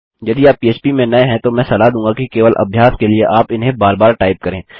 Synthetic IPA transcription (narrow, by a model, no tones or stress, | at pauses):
jɐd̪iaːpːiːeːt͡ʃpimẽnɐeɦɛ̃t̪omɛ̃ːsɐlaɦd̪ũːŋɡakikeːʋəlʔɐ̰bʱjaːskelieʔaːpɪnɦẽbaːɾbaːɾʈaːɪp̚kɐɾẽː